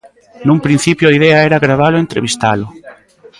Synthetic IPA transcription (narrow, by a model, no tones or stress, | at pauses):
nũmpɾin̟θipjʊaiðɛaɛɾaɣɾaβalʊent̪ɾeβist̪alʊ